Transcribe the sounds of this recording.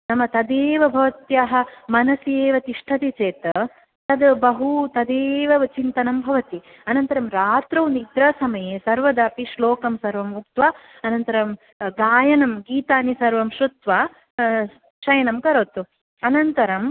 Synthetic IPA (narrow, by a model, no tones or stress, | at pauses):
nɐmɐt̪ɐd̪eːʋɐbʱɐʋɐt̪jaːɦɐ̆mɐnɐseːʋɐt̪iʂʈʰɐt̪it͡ʃeːt̪ɐ | t̪ɐd̪bɐɦut̪ɐd̪eːʋɐʋɐt͡ʃint̪ɐnɐmbʱɐʋɐt̪i | ɐnɐnt̪ɐɾɐmɾaːt̪ɾɐwnid̪ɾɐsɐmɐjeːsɐɾʋɐd̪aːpiʃloːkɐmsɐɾʋɐmuk̚t̪ʋaː | ɐnɐnt̪ɐɾɐm | ɡaːjɐnɐmɡiːt̪aːnisɐɾʋɐmʃɾut̪ʋaː | ʃɐjɐnɐmkɐɾoːt̪u | ɐnɐnt̪ɐɾɐm